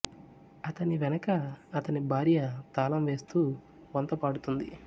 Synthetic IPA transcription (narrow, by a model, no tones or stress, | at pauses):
ɐt̪ɐniʋɛnɐkɐːt̪ɐnibʱaːɾjɐt̪aːlɐmʋe̞ːst̪uː | ʋɐnt̪ɐpaːɽut̪und̪i